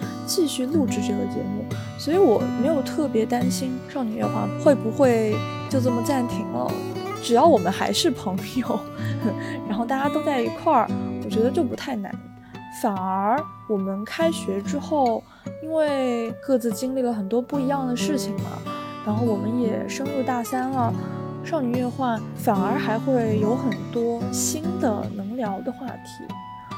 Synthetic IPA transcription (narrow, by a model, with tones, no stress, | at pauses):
t͡ɕi˥˧ɕy˥˧lu˥˧ʈ͡ʂɻ̩˥˧ʈ͡ʂɤ˥˩ɡə˩t͡ɕjɛ̰˧˥mu˥˩ | swɔ˧˥i˧˥wɔ˨˩me˧˥ɪjo˨˩ʊt̪ʰɤ˥˩pjɛ˧˥t̪a˥nɕi˥nʂɑ˥˩ŋny˧˩ɛ̰˥˩xwa̰˥˩xwe˥˩ɪpu˧˥xwe˥˧ɪ | t͡ɕjo˥˧ʊt͡sɤ˥˩mə˩t͡sa˥˩nt̪ʰi˧˥ŋlə̰˦ʈ͡ʂɻ̩˨˩jɑ˥˩ʊwɔ˨˩mə˦nxa̰˧˥ɪʂɻ̩˥˩pʰɤ˧˥ŋjo˧˩ʊ | ɻa˧˥nxo˥˧ʊt̪a˥˩t͡ɕja˥t̪o˥ʊt͡sa˥˩ɪi˧˥kʰwa˥˩wɔ˨˩t͡ɕɥɛ˧˥d̪ə˧t͡ɕjo˥˩ʊpu˧˥t̪ʰa˥˩ɪna̰˧˥n | fa˨˩nə˞˧˥ | wɔ˨˩mə˦nkʰa˥ɪɕɥɛ˧˥ʈ͡ʂɻ̩˥xo˥˩ʊ | i˥nwe˥˩ɪkɤ˥˧˩t͡sɹ̩˧˩t͡ɕi˥ŋli˥˩lə˩xə˨˩nt̪wɔ˥pu˥˩i˧˥jɑ˥˩ŋd̪ə˩ʂɻ̩˥˩t͡ɕʰi˨˩ŋmɐ̰˩ɻa˧˥nxo˥˩ʊwɔ˨˩mə˦njɛ˨˩ʂɤ˥ŋɻu˥˧t̪a˥˩sa˥nlə˨˩ | ʂɑ˥˩ŋny˧˥ɛ˥˧xwa˥˩nfa˨˩nə˞˧˥xa˧˥ɪxwe˥˩ɪjo˧˥ʊxə˨˩nt̪wɔ˥ɕi˥nd̪ə̰˨nɤ˧˥ŋljɑ˧˥ʊd̪ə˧xwa̰˥˩t̪ʰḭ˧˥